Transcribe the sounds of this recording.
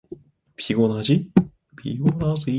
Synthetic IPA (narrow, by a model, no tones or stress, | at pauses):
pʰʲiɡonad͡ʑi | pʰḭɡonasɨ